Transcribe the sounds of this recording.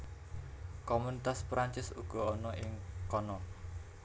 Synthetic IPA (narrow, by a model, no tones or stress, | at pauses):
komunit̪aspɾaɲt͡ʃɪsuɡ̥ɔ̤ɔnɔʔɪŋkɔnɔ